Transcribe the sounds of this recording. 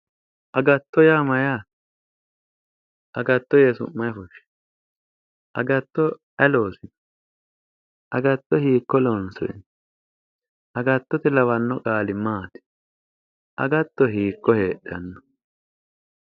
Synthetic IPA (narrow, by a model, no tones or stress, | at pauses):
ʔɐɡɐt̪ːɔjaːmɐjaː | ʔɐɡɐt̪ːɔjesʊ̰mːɐjfɔʃɪ̥ | ʔɐɡɐt̪ːɔ | ɐlo̞ːsɪd̪ɔ̥ | ʔɐɡɐt̪ːɔhiːkːɔlɔnsɔ̰ɛ̰n | ʔɐɡɐt̪ːɔt̪ɛlɐwɐnːɔkʼaːlɪmaːt̪ɪ̥ | ʔɐ̰ɡɐt̪ːɔɦiːkːɔheːɗɐnːɔ